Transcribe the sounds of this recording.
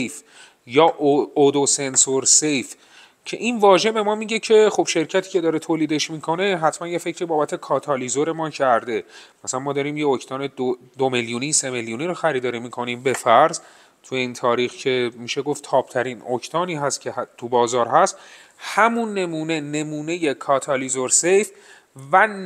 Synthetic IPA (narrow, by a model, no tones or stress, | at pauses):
ejf | jɒːʔod̪ose̞nsoɾsejf | cʰe̞̰ʔinvɒːʒe̞be̞mɒːmiːɟe̞cʰe̞χob̥ʃe̞ɾcʰæt̪ʰiːcʰe̞d̪ɒːɾet̪ʰoːliːd̪e̞ʃmiːkʰo̞ne̞ɦæt̪ʰmænje̞fe̞cʰɾiːbɒːbæt̪ʰe̞kʰɒːt̪ʰɒlizoɾe̞mɒːcʰæɾd̪e̞mæsæænmɒːd̪ɒːɾiːmjeocʰt̪ɒːned̪o | d̪omeljuniːse̞meljuniːɾoxæɾiːd̪ɒːɾimiːkʰo̞niːmbe̞fæɾz | t̪ʰujeiːnt̪ʰɒːɾiːxcʰe̞miːʃe̞ɡo̞ft̪ʰɒːb̥t̪ʰæɾiːno̞cʰt̪ʰɒːniːɦæst̪cʰet̪ʰubɒːzɒːɾɦæst̪ | hæmunːe̞muːne̞ne̞muːne̞jekʰɒːt̪ʰɒlizoɾse̞jf | væ